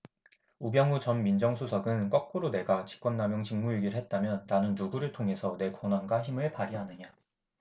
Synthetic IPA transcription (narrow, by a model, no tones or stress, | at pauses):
ubjʌŋut͡ɕʌnmind͡ʑʌŋsʰusʰʌɡɯnk͈ʌk̚k͈uɾone̞ɡat͡ɕi̥k͈wʌnːamjoŋɕʰiŋmuiɡiɾɯɭɦe̞t̚t͈amjʌnːanɯnːuɡuɾɯɭtʰoŋɦe̞sʰʌne̞kʌnwanɡwaçimɯɭpaɾiɦanɯɲa